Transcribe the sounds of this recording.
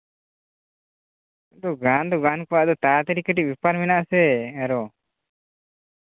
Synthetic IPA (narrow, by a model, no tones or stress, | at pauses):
aʔd̪ɔɡand̪ɔɡankɔwaʔd̪ɔt̪at̪ɛɾikəʈiʔ̚bipaɾmɛnaʔsɛaɾɔ